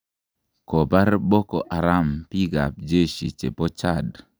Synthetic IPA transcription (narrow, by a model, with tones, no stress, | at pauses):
kɔ˨ba˦rbɔ˦kɔ̰˨ʔa˨ɾa˦mpi˦ɡa̰˨p̚d͡ʒe˦ʃḭ˨t͡ʃḛ˨pɔ˦t͡ʃa˦˨d